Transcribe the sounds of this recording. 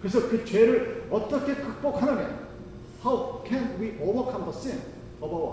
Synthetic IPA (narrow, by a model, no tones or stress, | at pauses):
kɯɾes̬ʰʌkɯt͡ɕeɾɯɭʌt͈ʌkʰe̞kʰɯk̚p͈ok̚hanɯmen | hawkʰɛ̃nwiʔolbʌkʰʌ̃mbʌsɪ̃n | ʌbʌ